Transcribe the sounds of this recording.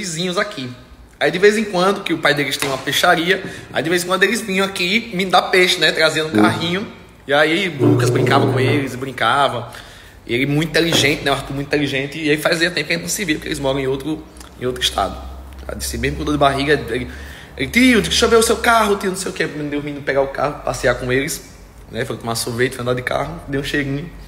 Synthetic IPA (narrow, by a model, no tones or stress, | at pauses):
vizĩɲʊ̃zakʰi | aid̪ɪvejzẽkwɐ̃nd̪ʊkɪʊpajd̪elɪst̪ĩɲɐ̃ũmɐpeʃaɾiɐa̰id̪ɪvezẽkwɐ̃d̪elɪzvĩɲɐ̃akimĩd̪apeʃɐnɛt̪ɾaziɐ̃ũka̰ɦĩɲʊ | iailukɐzbɾĩŋkavɐ̃kõelɪzɪbɾĩkavɐ̃ | ielmũt̪ĩt̪eliʒẽnt̪ɪnɛw̃at̪umũt̪ĩt̪eliʒẽnt̪ɪelɪfajziɐt̪ẽpkɐẽt̪nɐ̃sɪvipokelɪzmɔɾɐ̃w̃ẽowt̪ɾʊ | ẽowt̪ɾɪʃt̪a̰d̪ʊ | a̰d̪isɪmezmʊkõd̪od̪ɪbaɦiɡɐelɪ | ḛlɪt̪iʊd̪iʃoveʊsewkaɦʊt̪iʊnõsejʊkemẽd̪ewmĩnʊpɛɡaʊka̰hʊpasiakõelɪs | nɛfojt̪õmasovejt̪fojɐ̃nd̪aɾd̪ɪka̰ɦʊd̪ejũʃejɾĩɲʊ